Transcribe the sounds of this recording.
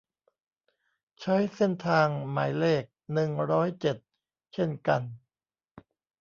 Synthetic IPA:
t͡ɕʰa˦˥jse˥˩nt̪ʰaː˧ŋma̰ː˩˦jleː˥˩k̚nɯ˨˩ŋɾɔː˦˥jt͡ɕe˨˩t̪̚ | t͡ɕʰe˥˩nka˧n

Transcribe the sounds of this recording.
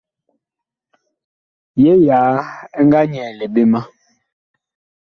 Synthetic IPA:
jɛ˦jaː˨˦ɛ˦ŋɡa˦ɲɛː˨le˨be˦ma˦

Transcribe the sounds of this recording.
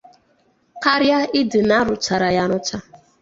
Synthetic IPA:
ka˦ɾja˦ɪ˦dɨ˨na˦ɾʊ˨t͡ʃa˨ɾa˨ja˨ɾʊ˦t͡ʃa˦

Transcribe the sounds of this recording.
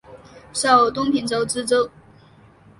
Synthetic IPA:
ʂo˨˩ʊt̪ʊ˥ŋpʰi˧˥nt͡so˧˥ʊt͡sɹ̩˥t͡sɤ˥ŋ

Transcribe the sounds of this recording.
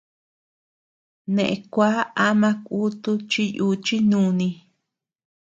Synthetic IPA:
nẽ˨ʔẽ˧kʷa˦a˦mã˧ku˦t̪u˦t͡ʃi˦ju˧t͡ʃi˦nũː˧˦nĩ˧

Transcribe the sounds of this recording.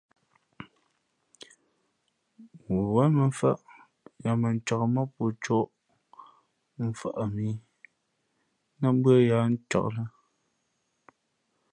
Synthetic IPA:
wu˨wa˦mə˨˦fa̰˦˨ʔ | ja˨mə˨n˦t͡ʃa˨kmə˦po˨t͡ʃo˦ʔ | m̩˦˨fa̰˦ʔa˨mi˨˦ | nə˦bɰə˦ja˨˦n̩˦t͡ʃa̰˨ʔlə˦

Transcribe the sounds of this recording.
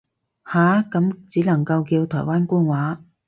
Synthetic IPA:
haː˨˥kɐ˨˥mt͡siː˨˥lɐ˨˩ŋkɐ˧wkiː˧wt̪ʰɔː˨˩jwaː˥nkʊː˥ŋwaː˨˥

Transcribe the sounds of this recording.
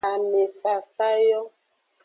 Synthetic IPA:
a˨me˨fa˨sa˦jɔ˦

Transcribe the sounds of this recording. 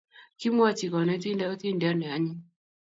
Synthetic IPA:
ki˦mwa˦t͡ʃi˨kɔ˨nɛ˨˦t̪i˦ndɛ˦ɔ˦t̪i˦ndɛ˨a˦nɛ˨a˨˦ɲi˦

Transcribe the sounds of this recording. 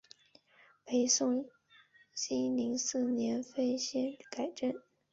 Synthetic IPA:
pʰe˧˥ɪsʊ˥˩ŋ | ɕi˥li˧˥ŋsɹ̩˥˩njɛ˧˥nfe˥ɪɕjɛ˥nka˨˩ɪʈ͡ʂə˥˩n

